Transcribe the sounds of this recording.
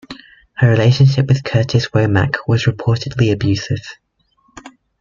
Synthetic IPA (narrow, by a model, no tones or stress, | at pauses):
həɹɪleɪʃə̃nʃ̬ɪpwɪð̥kʰɜˑtʰɪswəʊma̰kʰwɒzɹɪpʰɔˑtɪdˡliəbjʉˑsɪv̥